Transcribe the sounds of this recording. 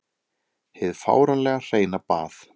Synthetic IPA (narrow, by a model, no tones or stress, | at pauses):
heðfa̰ːwɾanlɛːɣar̥eːjnapa̰ːθ